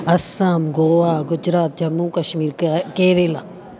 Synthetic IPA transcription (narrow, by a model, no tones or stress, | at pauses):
ɐsamɡoːaːɡʊd͡ʒɾaːt̪̚d͡ʒɐmũːkɐʃmiːɾkeːɾeːlaː